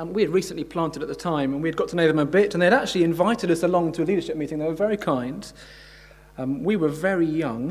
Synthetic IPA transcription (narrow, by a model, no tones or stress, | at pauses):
wiɨd̚ɹiˑsə̃nʔlipʰl̥ɑ̃ˑntɨɾət̪ʔ̪̚ðətʰãɪ̃mə̃nwiɨd̚ɡɒtʰənoʊðə̃məbɪtə̃n̩ðeɪɨɾæk̚t͡ʃʉl̩ˠiɨ̃ɱvaɪtɨɾʌsəlɔ̃ŋtʰəːliɾə˞ʃɪp̚miˑɾɪ̃ŋðətwə˞vɛɹikʰãɪ̃nd̥ | wiwə˞vɛɹijʌ̃ŋ